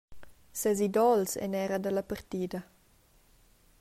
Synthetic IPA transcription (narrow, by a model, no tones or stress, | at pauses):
sɛzid̪ɔlsɛ̰nɛːɾad̪əlapart̪iːd̪ɐ